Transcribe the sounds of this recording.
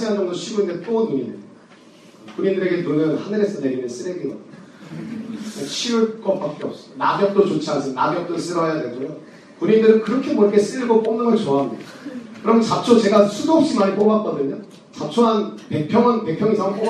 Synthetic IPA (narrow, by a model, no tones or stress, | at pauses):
sʰiɦand͡ʑʌŋdoɕʰiɡuindet͈onumie | kuɲindɯɾe̞ɡe̞nuɾɯmjʌnhanɯɾesʰʌne̞ɾimeɭs͈ɯɾeɡiɡʌ | ʌt͡ɕʰiuɭk͈ʌp͈ak͈eʌp̚s͈ʌ̥onabjʌk̚t͈ot͡ɕot͡ɕʰiasʰʌna̰bjʌk̚t͈os͈ɯɾʌɦejadeɡoɲo | kuɲindɯɾɯnkɯɾʌkʰeboɾkʰes͈ɯiɭɡop͈omnaŋɯnt͡ɕoaɦamɲida | kɯɾʌmt͡ɕat͡ɕʰot͡ɕe̞ɡasʰudoːp̚ɕ͈imaɲip͈obak̚k͈ʌdɯɲo | t͡ɕap̚t͡ɕʰoɦanpe̞k̚pʰjʌŋʌnpe̞pʰjʌŋisʰaŋp͈ob